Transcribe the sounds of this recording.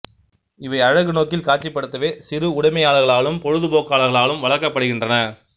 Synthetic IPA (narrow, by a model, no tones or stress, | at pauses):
ɪʋɐɪɐɻɐɣɯnoːkːɪlkaːʈ̚t͡ʃːipːɐɽɯt̪ːɐʋeːsɪɾɯʊɽɐɪmɐjaːɭɐɣɐɭaːɭɯmpɔɻɯðɯpoːkːaːɭɐɣɐɭaːlɯmʋɐɭɐɾkːɐpːɐɽɯɣɪndrɐnɐ